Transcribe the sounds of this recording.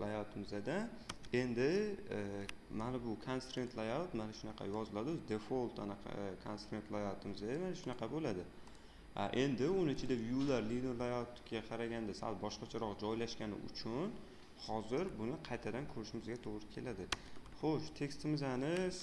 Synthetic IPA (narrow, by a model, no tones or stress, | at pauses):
lajat̪ʰɪmɪzad̪a | e̞nd̪ɪ | manabʊkʰanst̪ɾent̪ʰlˠajalt̪manaʃʊnɑqʰɑ̰jɒzɪlad̪ɪzd̪efolˠt̪ma̰naqʰkʰanst̪ɾent̪lˠajat̪ʰɪmɪzad̪amanaʃʊnɑqʰɑbolad̪ɪ | a̰ʔe̞nd̪ɪonɪt͡ʃʰɪd̪ajjʊlːaɾlid̪eɾlˠajat̪ɡʲaqʰɑɾaɡʲand̪asa̰lˠbɒʃqɑt͡ʃʰaɾɒqd͡ʒɒjlaʃkʲanɪ̰ʔʊ̰t͡ʃʰʊn | hɒzɪɾbʊnɪqʰɑjt̪ʰad̪ankʰɵɾɪʃɪmɪzɡʲat̪ʰoʁɾɪkʲʰelad̪ɪχoʃt̪ʰe̞kʲst̪ɪmɪzanɪz